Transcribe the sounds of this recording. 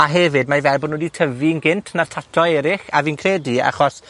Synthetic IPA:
aɦɛvɨd̚majvɛlˠbɔnːwɛditʰəvinɡɪntʰnartʰatʰɔɛɾɪχavinkʰrɛːdia̰χɔs

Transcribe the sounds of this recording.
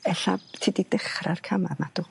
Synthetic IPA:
ɛɬatʰiːdid̥əχrarkʰamamad̥ʊ

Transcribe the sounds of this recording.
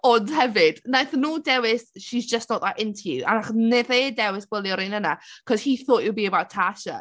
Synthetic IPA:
ɔndhɛvɪd̥najθnuːdɛwɪsʃisd͡ʒəstnɔːðaʔɪntʰia̰naχneθeːdɛwɪsɡ̥wɛlˠjɔɾinənakʰɔshiːθoːʔɪwbiːəbawtʰaʃə̰

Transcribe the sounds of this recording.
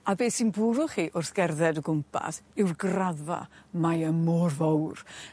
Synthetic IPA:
abeːsinbʊɾʊχiːʔʊrθɡ̥ɛrðɛdəɡʊmpʰa̰sɪwrɡraða̰majəmɔːrvowr

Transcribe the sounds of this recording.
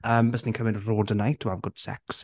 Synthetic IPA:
əmbɛsnɪ̃ŋkʰəmɪ̃nɹoːdənaɪtʰəavɡ̥ʊd̥sɛ̰ks

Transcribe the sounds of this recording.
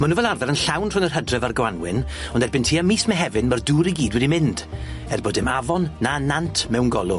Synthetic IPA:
mənuvɛlˠarðɛɾənɬawnr̥ʊnərhədrɛvarɡwanwɪ̰n | ɔndɛrbɪntʰiːamiːsmɛɦɛvɪnmərduːɾiɡiːdwɛdimɪnd̥ | ɛrboːdɪmavɔnːanantʰmɛwnɡɔlˠʊ

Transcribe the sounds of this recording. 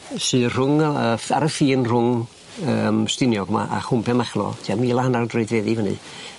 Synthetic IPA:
sɨːr̥ʊŋəfaɾəfiːnr̥ʊŋ | əːmstɪnjɔɡma̰ʔa̰χʊmpʰɛmaχlˠɔ̰tʰiamiːlˠahanawdreɨdvɛðivənɨ̰

